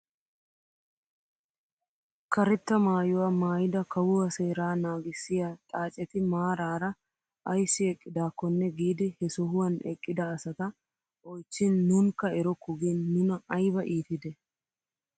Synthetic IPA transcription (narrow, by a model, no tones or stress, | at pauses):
kɐɾɛt̪ːɐmaːjɔwɐmaːjɪd̪ɐkɐwʊwɐseːɾaːnaːɡɪsːɪjat̪ʼaːt͡ʃʼːɛt̪ɪmaːɾaːɾɐ | ʔɐjsːɪɛkʼːɪd̪aːkːɔnːɛɡiːd̪ɪhɛsɔɦʊwɐnɛkʼːɪd̪ɐːsɐt̪ɐ | ʔɔjt͡ʃːɪnːʊnkɐɛɾɔkːʊɡinːʊnɐʔɐjbɐʔiːt̪ɪd̪ɛ